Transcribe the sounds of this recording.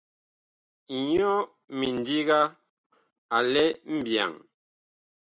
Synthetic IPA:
ɲɔ˦ | mi˨n˨di˦ɣa˦ | a˨lɛ˦m̩˦bja̰˨ŋ

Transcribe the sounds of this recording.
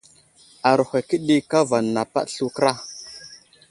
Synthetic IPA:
a˨ɾhʷe˨ki˦ɗi˦ka˦va˨nːa˨pa̰˦ɗɬu˦kɾa˦

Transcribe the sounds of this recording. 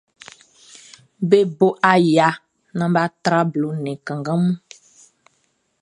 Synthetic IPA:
be˦bo˦ʔa˨ja˨ | nã˨ba˦t̪ɾa˦blo˨nɛ̃˨kã˨ŋɡã˦mũ˦

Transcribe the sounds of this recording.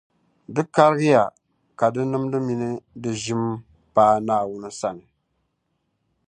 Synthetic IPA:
dɨ˦ka˦ɾɨ˦ɣɪ˦ja˨ | ka˨dɨ˦nɨ˦mdɨ˦mi˦nɨ˦dɨ˨ʒi˦m | paː˦naː˦˨wʊ˦nɨ˦sa˦nɨ˨

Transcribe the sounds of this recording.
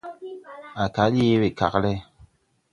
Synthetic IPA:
a˨ka˨˦je˦we˨ka˨klɛ˦

